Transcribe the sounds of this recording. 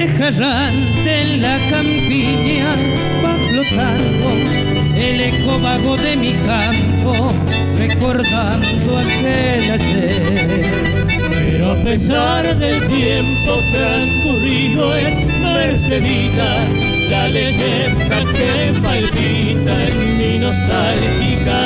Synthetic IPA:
exaɾa | n | t̪elakampi | nia | paklot̪aŋɡ̪o | elekobaɣoðemika | mpo | rekoɾd̪a | nd̪oak | e | lat͡ʃe | peɾoapesa | ɾðelt̪jempot̪aŋkuɾiðoes | meɾseðit̪a | ɡaleɣe | t̪ake | malβi | t̪aeŋminost̪alxika

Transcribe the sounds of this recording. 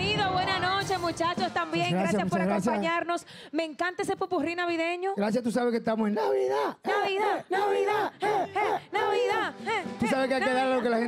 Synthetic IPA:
iðoβwe̞nano̞t͡ʃe̞mut͡ʃat͡ʃost̪ambjeŋɾaɡasasjajampoaɾaɣɾaosm̬jaɲaɾno̞s | me̞ŋkant̪esepupurinaβiðe̞ɲoɡɾas̬jast̪usaβehkest̪amosennaβiðanaβiðanaβiða | naβiðat̪usaβekeakeðaɾalokelahe

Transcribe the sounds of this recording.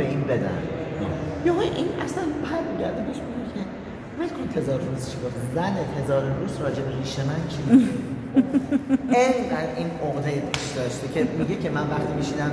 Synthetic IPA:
beɡiːmbe̞d̪æ̰m | jɒːʔinʔæslænpʰæɾmiɟæɾd̪ebeʃmiɡecʰe | bej̪kʰont̪ʰe̞zɒːɾfuɾuːzt͡ʃʰiɡoft̪ʰæmzænehe̞zɒːɾenɾuːsɾɒːd͡ʒe̞beɾiːʃemænt͡ʃʰibʃu | endæɾiːnoɣd̪ejepʰiʃd̪ɒːʃt̪ecʰemiɟecʰe̞mænvæχt̪iːmiʃinæm

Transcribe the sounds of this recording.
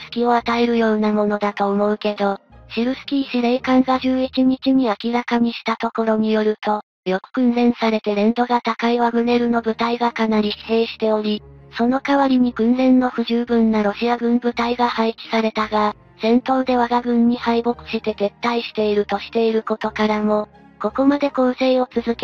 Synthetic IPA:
sɨ̥kʲio̞at̪ae̞ɾɯ̟jo̞ːnamo̞no̞d̪at̪o̞ːmo̞ɯ̟ke̞d̪o̞ɕiɾɯ̟sɨ̥kʲiːɕiɾe̞ːkãŋɡaʑɨːit͡ɕiɲ̟it͡ɕiɲ̟iakʲiɾakaɲ̟iɕi̥t̪at̪o̞ko̞ɾo̞ɲ̟ijo̞ɾɯ̟t̪o̞ | jo̞kɯ̟̥kɯ̟̃nzẽ̞ɰ̃saɾe̞t̪e̞ɾẽ̞nd̪o̞ɡat̪akaiβaɡɯ̟ne̞ɾɯ̟no̞bɯ̟t̪aiɡakanaɾʲi̥e̞ːɕi̥t̪e̞o̞ɾʲiso̞no̞kaβaɾʲiɲ̟iɡɯ̟̃ñzẽ̞nːo̞ɸɯ̟ʑɨːbɯ̟̃nːaɾo̞ɕiaɡɯ̟̃mbɯ̟t̪aiɡahaikʲi̥saɾe̞t̪aɡa | sẽ̞nt̪o̞ːd̪e̞βaɡaɡɯ̟̃ɲ̟ːihaibo̞kɯ̟̥ɕit̪e̞t̪e̞t̪ːaiɕi̥t̪e̞iɾɯ̟t̪o̞ɕi̥t̪e̞iɾɯ̟ko̞t̪o̞kaɾamo̞ | ko̞ko̞mad̪e̞ko̞nse̞io̞t͡sɨzɨke

